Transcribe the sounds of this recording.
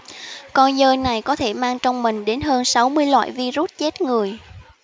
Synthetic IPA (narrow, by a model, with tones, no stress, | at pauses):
kɔ˧nzəː˧jna˨˩jkɔ˨˦t̪ʰe˧˩maː˧ŋt͡ɕɔ˧wŋ͡mmï˨˩ŋ̟ɗe˨˦nɦəː˧nsa˨˦wmɨ˧əjlwa̰ː˧˨jvi˧zu˦˥t̚t͡ɕe˦˥t̚ŋɨ˨˩əj